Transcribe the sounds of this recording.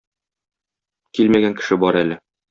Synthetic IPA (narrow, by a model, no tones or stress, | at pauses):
kilmæɡæŋkɘ̥̆ʃɘbɒɾælɘ